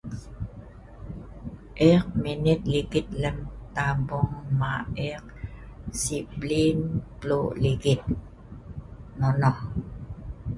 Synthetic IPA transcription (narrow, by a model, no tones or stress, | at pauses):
ʔɛk̚minit̪̚liɡit̪̚ləmt̪ambɔŋmaɛq̚siplimpluliɡit̪̚ | mɔnɔh